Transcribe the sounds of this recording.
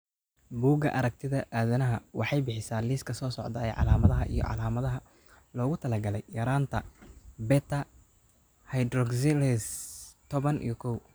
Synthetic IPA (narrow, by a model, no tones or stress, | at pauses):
buːɡɐ̰ʔɐɾɐk̚t̪ʰɪðɐʔaːðɐnɐɦɐwɑħɑjbɪħɪsaːliːskʰɐsɔːsɔʕd̪ɐɛjʕɑ̰laːmɐðɐɦɐʔḭjɔ̰ʕɑ̰laːmɐðɐɦɐ | lɔːɣʊt̪ʰɐlɐɡɐlɛjːɐɾaːnt̪ʰɐbɛt̪ʰɐ | hɐjd̪rɔɡsɪlɛst̪ʰɔβɐnʔḭjɞkʰɔw